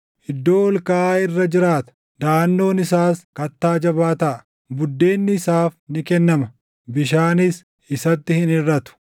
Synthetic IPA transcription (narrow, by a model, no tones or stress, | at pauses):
ʔɪd̪ːo̞ːɔlkɐʔaːɪrːɐd͡ʒɪɾaːt̪ɐ̥ | d̪aːnːo̞ːnɪsaːskɐt̪ːaːd͡ʒɐβaːt̪ɐʔɐ̥ | bʊd̪ːe̞ːnːɪːsaːfnɪkɛnːɐmɐ | bɪʃaːnɪs | ɪsɐt̪ːɪhɪnɪrːɐt̪ʊ̥